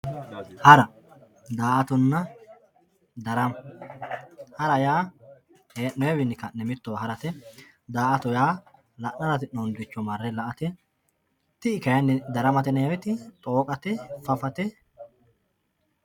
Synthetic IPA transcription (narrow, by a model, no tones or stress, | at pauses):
hɐɾɐ | d̪aːʔɐt̪ʊnːɐ | d̪ɐɾɐm | hɐɾɐjaː | henɔɛwɪnɪkɐnːɛmɪt̪ːɔwhɐɾɐt̪ɛ | d̪aːʔɐt̪ɔjaː | lɐʔnɐnɐt̪ɪnɔnd̪ɪt͡ʃːɔmɐrːɛlɐʔɐt̪ɛ | t̪ɪɪkɐjɐnd̪ɐɾɐmɐt̪ɛnɐjɐwɛt̪ɪt̪ʼoːkʼɐt̪ɛfɐfɐt̪ɛ